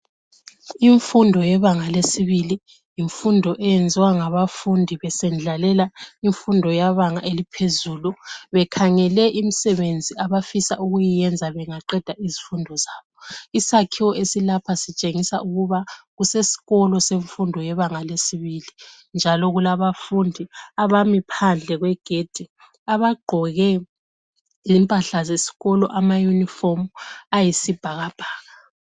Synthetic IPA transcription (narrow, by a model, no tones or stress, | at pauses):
iɱfundʱɔjɛβaŋalesiβili | jiɱfundʱɔʔɛjɛnd͡zʱiwaŋaβafundʱiβɛsɛnd͡ɮʱalɛlaiɱfundʱɔjaβaŋaʔelipʰezuːluβɛkʰaŋɛlɛʔimisɛβend͡zʱiaβafisaʔuɣujijɛnd͡zʱaβɛŋaǃɛd̥ʱaizifundʱɔzaːβɔisakʰiwɔʔesilapʰasit͡ʃʼeŋisa̰ʔuɣuβaɣusesi̥ɣɔlɔseɱfundʱɔjɛβaŋalesiβili | nd͡ʒʱalɔɣulaβafundʱiaβamipʰand͡ɮʱɛɣwɛɡ̥ʱed̥ʱi | aβaɡ͡ǃʱɔɣɛ | zimpʼaɬazesi̥ɣɔlɔ̰ʔamajunifomajisib̥ʱaɣab̥ʱaːɣa